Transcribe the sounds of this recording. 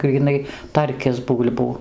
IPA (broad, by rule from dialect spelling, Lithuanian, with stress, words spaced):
ɡrʲiːˈnɐɪ ˈtɐrʲkʲɪs ˈbuːlʲbuː